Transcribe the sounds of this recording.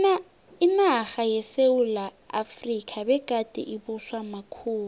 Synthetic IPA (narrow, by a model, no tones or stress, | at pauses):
imaɣajɛseula | a̰frikʼʰabɛkʼatʼɛ̰ʔibʊswamakʰuːmu